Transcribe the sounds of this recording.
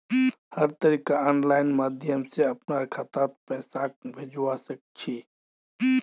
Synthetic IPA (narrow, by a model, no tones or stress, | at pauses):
həɾt̪əɾikaanlaɪnmaːd̪ʱjəmsẽəpnaɾkʰat̪at̪̚pɛsak̚bʱed͡ʒwasək̚t͡ʃʰi